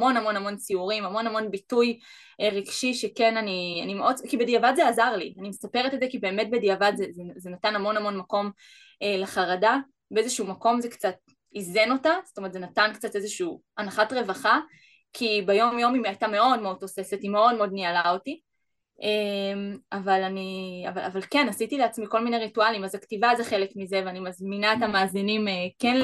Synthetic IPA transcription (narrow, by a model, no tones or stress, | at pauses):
mo̞nhamo̞nhamo̞nt͡siuʁimamo̞nhamo̞nbituj | ʁiɡ̥ʃiʃekenania̰nimeʔo̞dkibediavadzeazaʁlḭanimestapeʁetezekibe̞ːme̞t̚bediavadzezezenatanamo̞namo̞nmako̞m | eleχaʁada | beezeʃuumako̞mzekt͡sat̚ | izeno̞tazotometzenatankt͡satezeʃuː | anaχatʁe̞vaχa | kʰibejo̞mjo̞mimiajtame̞o̞dmeo̞d̚to̞se̞setime̞o̞d̚meo̞d̚nialaoti | ʔemavalania̰valavalkenasitileat͡smiko̞lmineʁitualimazaktivazeχe̞lekmizeveanimazminaetamaːzinimeken